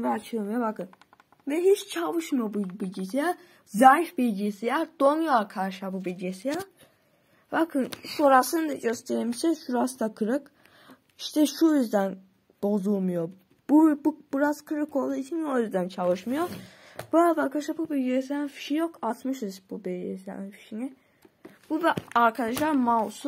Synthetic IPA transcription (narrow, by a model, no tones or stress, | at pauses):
vɛat͡ʃʰɯmɯjobakɯn | vɛɦit͡ʃt͡ʃʰavɯʃmɯjobubilʲɟisija | zajfbilʲɟisijad̪̥onujoakʰaɾʃabubilʲɟisija | bakʰɯnso̞ɾasɯnd̪aɟøst̪ʰeɾimisɛʃuɾast̪akʰɯɾɯk | iʃt̪ʰɛʃujyzd̪æn | b̥o̞zulˠmujo | bubbuɾazkʰɯɾɯkʰo̞lˠd̪uːit͡ʃʰinojyzd̪ænt͡ʃʰalɯʃmɯjob̥uabakʰaʃabubilʲɟes̬ijafi̥ʃijokʰat̪mɯʃɯzbubilʲɟesija̰nifi̥ʃini | b̥ubaɾkʰad̪aʃlˠaɾmawsu